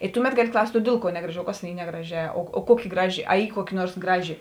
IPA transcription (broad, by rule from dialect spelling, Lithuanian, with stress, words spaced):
ɪ ˈtʊˌmʲɛt ˈɡɑːˌlʲɪ ˈklˠɐʊsʲtʲ oː ˈdʲeːlˠ ˌkuɔ ˈnʲæːɡrɐˌʒʲɪ oː ˈkɐs tʲeːn ˈiː ˈnʲæːɡrɐˌʒʲɛː oː ˈkuɔˌkʲɪ ˈɡrɑːˌʒʲɪ ɐ ˈiː ˈkuɔˌkʲɪ ˈnuɔrs ˈɡrɑːˌʒʲɪ